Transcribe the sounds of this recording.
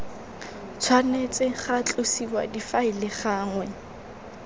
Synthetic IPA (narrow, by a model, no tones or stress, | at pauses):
t͡sʰwanet͡sʼɪχat͡ɬʼosiwadifaɪlɪχaːŋwɛ